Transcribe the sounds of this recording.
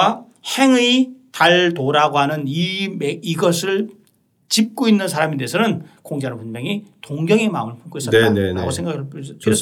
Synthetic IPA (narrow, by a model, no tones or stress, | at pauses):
a | he̞ŋɯitaɭtoɾaɡoɦanɯnimeiɡʌsʰɯɭ | t͡ɕip̚k͈oinːɯnsʰaɾamedeesʰʌnɯnkoŋɡeaɾopunmeŋitoŋɡjʌŋemaɯmɯɭpʰonk͈oissʌeneɾa̰osʰeŋɡakʰɭps